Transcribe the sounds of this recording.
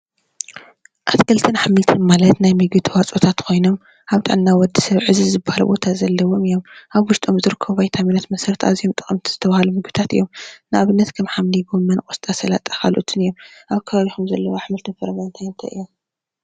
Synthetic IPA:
ʔat̪kʰɐlt̪ʰɨnħamːɨlt̪ʰɨnmalɐt̪najmɨɡɨt̪ʰwat͡sʼot̪ʰat̪kʰo̞jnom | ʔaβt̪ʼɨ̰ʕnːawɔd̪ːi̥sɐβʕɨzizɨbahalṵbo̞̰t̪ʰazɐlːɐwo̞mɨjo̞mʔaβwʊʃt̪ʼomzɨɾɨkʰːɐββajt̪ʰaminat̪mɐsɐɾt̪ʰazijomt̪ʼɨxʼɐmt̪ʰiz̥ɨt̪ʰɐβahalumɨɡɨt̪ʰat̪ɨ̰jːomnɨʔaβɨnːɐt̪kʰɐmħamliɡomːɐnkʼost̪ʼasɐla̰t̪ʼakalʔo̰t̪ʰɨnɨjːomʔaβkʰɐβaβixumzɐlːɐwoħmɨlt̪ʰɨnfɐɾβant̪ʰajnt̪ʰɐ̰ʔɨ̰jːom

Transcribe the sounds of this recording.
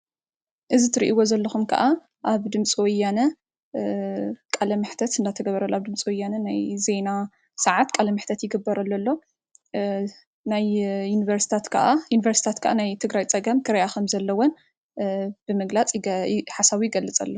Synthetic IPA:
ʔɨzit̪ʰɨɾḭʔiwo̞zɐlːɐxumkʰɐ̰ʔa | ʔaβd̪ɨmt͡sʼiwɔjːanɐ | kʼalɐmɨħt̪ʰɐt̪ɨnd̪at̪ʰɐɡɐβɐɾɐlːoaβd̪ɨmt͡sʼiwɔjːanɐnajze̞na | sɐʕat̪kʼalɐmɨħt̪ʰɐt̪jɪɡɨbːɐɾɐlːolːo̞ | najjunivɐɾsi̥t̪ʰat̪kʰaʔajunivɐɾsi̥t̪ʰat̪kʰaʔanajt̪ʰɨɡɾajt͡sʼɐɡɐmkʰɨɾɐjakʰɐmzɐlːɐwon | b̥ɨmɨɡlat͡sʼħasaβujɪɡɐlːɨt͡sʼɐ̰lːo

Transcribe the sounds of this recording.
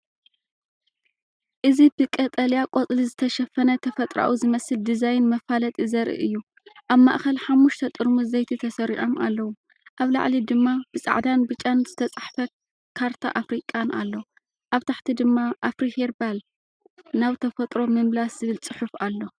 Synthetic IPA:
ʔɨzibɨkʼɐt̪ʼɐljakʼot͡sʼlizɨt̪ʰɐʃɐfɐnɐt̪ʰɐfɐt̪ʼɾa̰ʔuzɨmɐsɨld̪izajnmɐfalɐt̪ʼizɐɾʔḭʔɨjːu | ʔaβma̰ʔxɐlħamːuʃt̪ʰɐt̪ʼɨɾmuzɐjt̪ʰit̪ʰɐsɐɾiʕo̞mʔa̰lːɐwu | ʔaβla̰ʕlid̪ɨmːab̥ɨsʼa̰ʕd̪anbɨt͡ʃʼanzɨt̪ʰɐt͡sʼaħfɐ | kʰaɾt̪ʰa̰ʔafɾikʼana̰lːo̞ | ʔaβt̪ʰaħt̪ʰid̪ɨmːaʔafɾiheɾbal | naβt̪ʰɐfɐt̪ʼɾo̞mɨmlaszɨβɨlt͡sʼɨħufalːo̞

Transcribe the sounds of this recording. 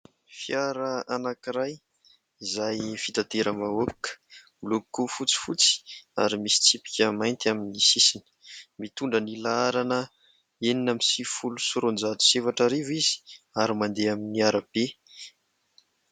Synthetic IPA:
fjaɾəanakiɾaj | izajfit̪at̪eɾəmaokə̥mlukufut͡si̥fut͡si̥aɾimisi̥t͡sipi̥kʲəmajnt̪iaminisisinə̥mit̪uɳɖ͡ʐənilaaɾanə | eninamisifulusuɾond͡zat̪u̥sefaʈ͡ʂaɾevizi̥ | aɾimand̪eaminiaɾəb̥e

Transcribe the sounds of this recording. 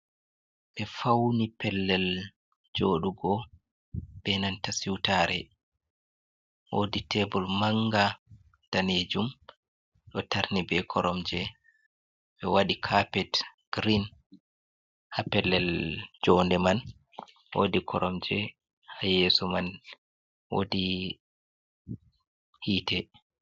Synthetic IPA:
ɓɛfawnipɛlːɛl | d͡ʒoːɗuɡɔ | b̥ɛnantasiwtaɾɛ | woditɛbɔlmaŋɡa | d̥aned͡ʒum | ɗɔtaɾnibɛkʰɔɾɔmd͡ʒɛ | ɓɛwaɗikʰapɛtɡ̥ɾin | hapɛlːɛld͡ʒɔndɛman | wo̰dikʰɔɾɔmd͡ʒɛ | hajɛsɔman | wo̰di | hiːtɛ

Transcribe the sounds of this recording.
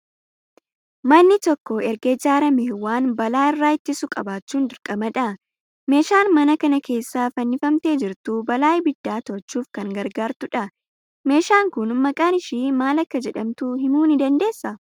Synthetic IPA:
mɐnːɪt̪ɔkːɔɛɾɡed͡ʒaːɾɐmeːwaːnbɐlaːɪrːaːɪt̪ːɪsʊkʼɐbaːt͡ʃːuːnd̪ɪɾkʼɐmɐᶑɐ | me̞ːʃaːnmɐnɐkɐnɐkʰe̞ːsːaːfɐnːɪfɐmt̪e̞ːd͡ʒɪɾt̪ubɐlaːjbɪd̪ːaːt̪ɔɾt͡ʃːuːfkɐŋɡɐɾɡaːɾt̪ʊᶑɐ | me̞ːʃaːŋkʊnmɐkʼaːnɪʃiːmaːlɐkːɐd͡ʒɛᶑɐmt̪uɦɪmuːnɪd̪ɐnd̪e̞ːsːɐ

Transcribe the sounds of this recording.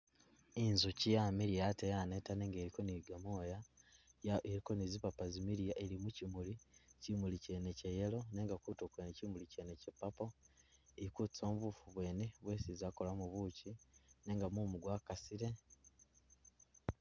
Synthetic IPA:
inzucijamiɾijatejanetaneːŋɡeɾiko̞niɡamoːja | eɾiko̞nizipapazimiɾijaʔeɾimucimulicimulice̞ne̞cejelo̞ne̞ːŋɡakutokwenecimulicene̞cepːapoeikut͡si̥t͡so̞ːmβufuβwe̞ːne̞βwe̞ːsizaːkolamuβuːcine̞ːŋɡamumuɡwakasiɾe̞

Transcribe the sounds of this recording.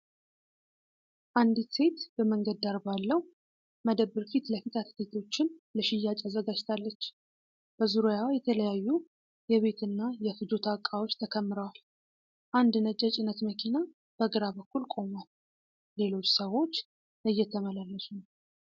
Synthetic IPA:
ʔand̪ise̞t̪bəməŋɡəd̪ːaɾbalːəw | məd̪əβɨɾfit̪ləfit̪ʰat̪ʰd̪et̪ʰo̞t͡ʃːɪnləʃɪjːat͡ʃʼazəɡad͡ʒt̪ʰalːət͡ʃː | b̥əzuɾojawajɛt̪ʰələjajːu | jɛβe̞t̪ʰɨnːajɛfɨd͡ʒo̞t̪ʰakʼːawo̞t͡ʃːt̪ʰəkʰəmːɨɾəwal | ʔand̪nət͡ʃʼət͡ʃʼɪnət̪məkʰina | b̥əɡɨɾaβəkːulkʼo̞mal | le̞lo̞t͡ʃːsəwo̞t͡ʃː | ɨjːɛt̪ʰːəməlalːəsun

